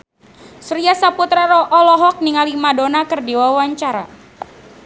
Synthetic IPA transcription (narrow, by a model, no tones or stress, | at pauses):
suɾiasaput̪ɾaɾɔʔɔlɔɦɔk̚niŋalimadonakɨrdiwawaɲt͡ʃaɾa